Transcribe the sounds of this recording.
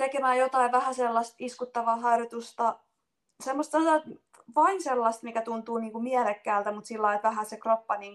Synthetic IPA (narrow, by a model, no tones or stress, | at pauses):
t̪ekemæːjot̪ɑiʋæhæselːɑst̪iskut̪ːɑʋɑːɦɑirjot̪ust̪ɑ | semːost̪ɑt̪ɑ | ʋɑinselːɑst̪mikæt̪unt̪uːniːŋkumiælekːæːlt̪æmut̪silːɑit̪ʋæɦæsekropːɑniːŋ